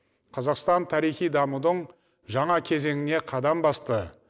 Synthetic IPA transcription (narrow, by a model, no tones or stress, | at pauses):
qʰɑzɑqst̪ɑnt̪ʰɑɾijχijd̪ɑmud̪əɴ | ʒɑɴɑkʲʰe̞ze̞ŋɪne̞qʰɑd̪ɑmbɑst̪ə